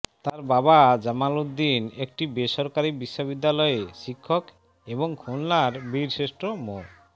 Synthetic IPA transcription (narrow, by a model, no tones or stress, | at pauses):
t̪aɾbabad͡ʑamalod̪inek̚ʈibeʃɔɾkaɾibiʃːobid̪ːalɔeʃikʰːok | eboŋkʰonlaɾbiɾʃeʃʈomoɾ